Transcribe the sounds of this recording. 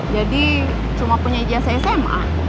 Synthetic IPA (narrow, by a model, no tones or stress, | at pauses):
d͡ʒadi | t͡ʃumapuɲaibiasaɛsɛmʔa̰